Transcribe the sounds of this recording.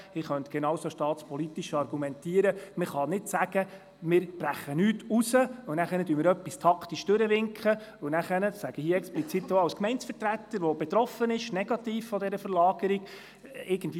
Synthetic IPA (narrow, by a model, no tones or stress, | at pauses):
ɪχœntɡ̥enɑːwsoʃtɑːt̪spʰɔlitiʃɑrɡ̥umɛntiːəɾəməχɑnɪtsæɡə | mɪːɾb̥ɾæχːənyːtusəʊnæχəɾnəd̥yːmɪːɾœpːistʰɑktiʃd̥øɾəʋɪŋkχəʊnæχənəsæɡ̥əhiəɛksplit͡sit̪ːoɑwskmɛɪnsfəɾtɾæt̪ːəɾʋob̥et̪ɾɔfənɪʃnɛɡ̥ɑt̪iːffɔd̪ɛɾəfəɾlɑːɡ̥əɾiɡ̥ | ɪɾɡ̥ən̩dʋi